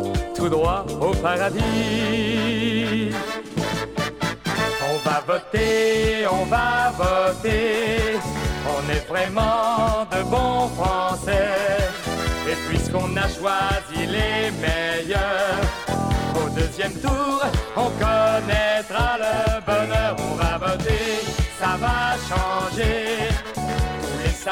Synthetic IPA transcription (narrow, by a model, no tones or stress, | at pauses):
t̪ud̪ʁwaopaʁad̪i | ɔ̃vavɔt̪eɔ̃vavɔt̪e | ɔ̃nɛvʁɛmɑ̃d̪əbɔ̃fχɑ̃sɛ | epɥiskɔ̃naʃwazilemɛjœʁod̪øzjɛmt̪uʁɔ̃kɔnɛt̪χaləbɔnœʁɔ̃vavɔt̪esavaʃɑ̃ʒe | es